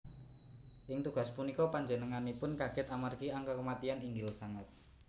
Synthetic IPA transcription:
ʔɪŋt̪uɡ̥aspunikɔpaɲd͡ʒənəŋanipʊnkaɡ̥ɪt̪amarɡiaŋkakəmat̪ianiŋɡɪlsaŋət̪̚

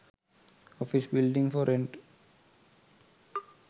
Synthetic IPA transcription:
ɔfisbɪlɖĩŋfɔɾẽɳʈ

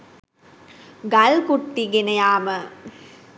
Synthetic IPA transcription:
ɡɐlkuʈːiɡenɐjaːmɐ

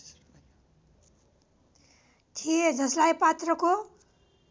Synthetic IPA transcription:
t̪ʰijed͡zʌslajpat̪rʌko

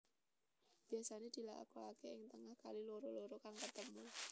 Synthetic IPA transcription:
b̥iasaned̪̥i̤la̰a̰koakeɪŋt̪əŋahkaliloɾoloɾokaŋkət̪əmu

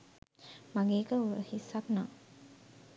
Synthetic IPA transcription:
maɡeːkəuəhisːaknaː

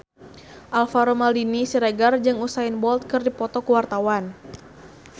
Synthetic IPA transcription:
ʔalfaɾomaldinisiɾeɡard͡ʒɨŋusainbɔlt̪̚kɨrdipɔt̪ɔkuwart̪awan

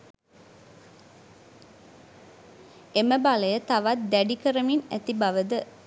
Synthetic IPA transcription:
eməbaləjət̪aʋat̪̚d̪æɖikəɾəminæ̰t̪ibaʋəd̪ə

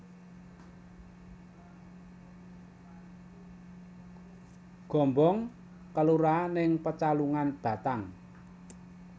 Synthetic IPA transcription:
ɡ̥ɔ̤mbɔŋ | kəluɾanɪŋpət͡ʃaluŋanb̥ä̤t̪aŋ

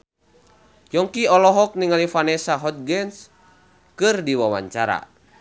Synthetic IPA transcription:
jɔŋkiɔlɔɦɔk̚niŋalifanɛsaɦɔt̪̚ɡɛns | kɨrdiwawa̰ɲt͡ʃaɾa̰

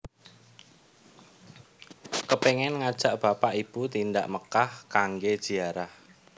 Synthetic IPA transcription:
kəpeŋɛnŋad̥ʒ̥aʔb̥a̤paʔib̥ut̪inda̰ʔməkahkaŋɡed̥ʒ̥i̤aɾah

